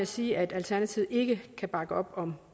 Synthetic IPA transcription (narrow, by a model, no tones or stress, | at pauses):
jsiːʔæd̥ælt͡sʰæɐnæt͡sʰiʊ̰e̝ɡ̥əkʰæb̥ɑ̈ɡ̥əɒ̽b̥ɒ̽m